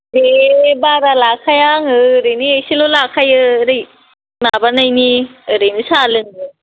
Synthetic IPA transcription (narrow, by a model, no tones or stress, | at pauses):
ɾebaɾalakʰajaŋɯɾɯjniesilolakʰajɯɾɯj | mabanajniɯɾɯjnɯsalɯŋɯ